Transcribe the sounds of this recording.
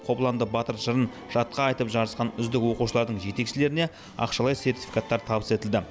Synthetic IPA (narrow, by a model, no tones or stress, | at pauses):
qʰo̞plˠɑnd̪əbɑt̪əɾʒəɾən | ʒ̥ɑt̪̚qɑːjt̪əpʒɑɾəsqɑnʏzd̪ɪkwo̞quʃəlˠɑɾd̪əɴʒe̞t̪e̞kʃɪle̞ɾɪne̞ | ɑ̰qʃɑlˠɑjse̞rt̪ʲi̥fikat̪ːɑɾt̪ʰɑbəse̞t̪ɪld̪ɪ